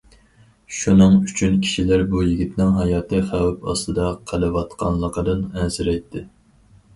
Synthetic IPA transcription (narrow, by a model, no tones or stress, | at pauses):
ʃunɨŋyt͡ʃʰynkʲʰi̥ʃilæɾbujiɡʲit̪nɪŋɦɑjɑːt̪ʰɨχæwɪpɑ̰st̪ɨd̪ɑqʰəlˠɨwɑt̪qʰɑnlˠəqəd̪ɨnɛzɪɾɛjt̪ʰːɪ